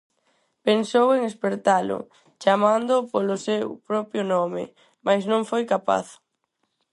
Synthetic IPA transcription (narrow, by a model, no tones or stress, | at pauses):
pensoweŋespeɾt̪alo̰ | t͡ʃamãnd̪opolosewpɾɔpjonɔmḛ | majsnõŋfojkapa̰θ